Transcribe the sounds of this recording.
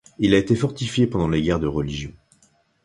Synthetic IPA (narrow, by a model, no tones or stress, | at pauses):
ilaet̪efɔʁt̪ifjepɑ̃d̪ɑ̃leɡʲɛʁd̪əʁəliʒjɔ̃